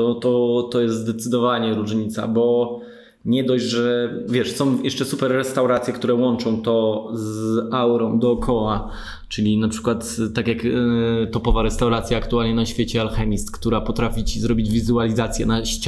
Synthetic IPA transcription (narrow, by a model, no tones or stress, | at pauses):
ɔt̪ɔt̪ɔjɛst̪d̪ɛt̪sɘd̪ɔvaɲɛɾuʐɲit̪sa̰bɔ | ɲɛd̪ɔʑʐɛvʲjɛʂsɔ̃w̃jʔɛʂt͡ʂɛsupɛɾːɛst̪awɾat̪sʲjɛk̚t̪uɾɛwɔnt͡ʂɔ̃w̃t̪ɔzawɾɔ̃md̪ɔːkʰɔwa | t͡ʂɘlʲinapʂɘ̥kwat̪ːakʲjakt̪ɔpɔvaɾɛst̪awɾat̪sʲjaːkt̪ualɲɛnaɕfʲjet͡ɕɛalxɛmʲist̪kt̪uɾapɔt̪ɾafʲit͡ɕizɾɔbʲid͡ʑvʲizualʲizat̪sʲjɛnaɕt͡ɕ